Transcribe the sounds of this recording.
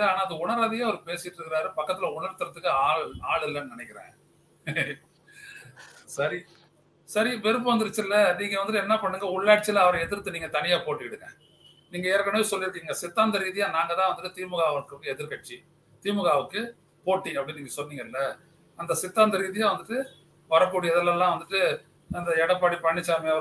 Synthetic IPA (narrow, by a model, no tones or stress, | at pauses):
aːnaːɐðɯʊɳɐɾaːðɪjaːɐʋɐɾɯpeːsɪɪʈːɪɾɯkːɪɾaːɾɯpɐkːɐt̪ːɪlɐʊɳɐɾt̪ːɯɾɐt̪ːɯkːɯaːɭaːɭɯlːɐnnɪnɛkːɪɾḛ̃ː | sɐɾi | sɐɾiʋɛɾɯp̬ːɯʋɐnd̪ɯɾɯt͡ʃːɪlːɐniːŋɡɐʋɐnd̪ɯʈɛnːɐpɐɳːɯŋɡɐʊɭːaːʈ̚t͡ʃːɪlɐɐʋɐɾɐ̃ɛðɪɾt̪ːɯniːŋɡɐt̪ɐnɪjaːpoːʈːɯɪɽɯkːḛ̃ː | niːŋɡɐeːɾkːɐɳɐʋeːsɔlːɪɾɯk̬ːiːŋɡɐsɪt̪ːaːnd̪ɐɾiːðɪjãːnaːŋɡɐt̪ãːʋɐnd̪ɯʈːɯt̪iːmɯɣaːʋɐɯkːɯkːɯɛðɪɾkɐʈ̚t͡ʃːi | t̪iːmɯɣaːʋɯkːɯ | poːʈːiɐpːɐɽɪniːŋɡɐsɔlːiːŋɡɐɪlːɐ | ɐnd̪ɐsɪt̪ːaːnd̪ɐɾiːðɪjãːʋɐnd̪ɯʈːɯ | ʋɐɾɐkːuːɽijɛðɛlːɐlːãːʋɐnd̪ɯʈːɯ | ɐnd̪ɐɛɽɐpːaːɽipɐɳːɪt͡ʃːaːmeɐʋɐɾ